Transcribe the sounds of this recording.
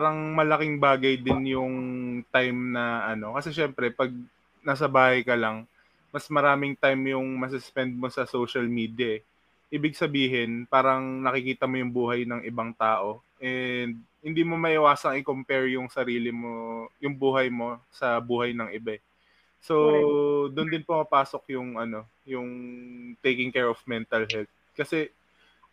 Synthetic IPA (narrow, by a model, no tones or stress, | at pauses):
paːɾɐŋmɐlɐkɪŋbaːɡɐjd̪ɪnjʊŋt̪ajmnɐʔɐno̞kɐsɛʃɛmpɾɛpɐɡ̚ | naːs̬ɐbaːhɐjkɐlɐŋ | mɐsmɐɾaːmɪŋt̪ajmjʊŋmɐs̬ɪspɛnd̪̚mo̞sɐsowʃɐlmiːd̪jɐ | ʔiːbɪɡ̚sɐbiːɦɪnpaːɾɐŋnɐkɪkiːt̪ɐmo̞jʊŋbuːɦɐjnɐŋʔɪbaŋt̪aːʔo̞ | ʔɛnd̪̚hɪnd̪iːmo̞mɐʔɪwaːsɐŋɪkompɛɹjʊŋsɐɾiːlɪmojʊŋbuːɦɐjmo̞sɐbuːɦɐjnɐŋʔɪbaɛ | so̞d̪ʊnd̪ɪnpomɐpaːsokjʊŋʔɐno̞ | jʊŋt̪ejkɪŋkɛɹofmɛnt̪ɐlɦɛlt̪̚kɐsɛ